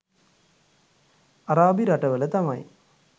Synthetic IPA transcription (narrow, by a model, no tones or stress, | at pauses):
ɐraːbiɾɐʈːɐʋɐlet̪amaːjḭ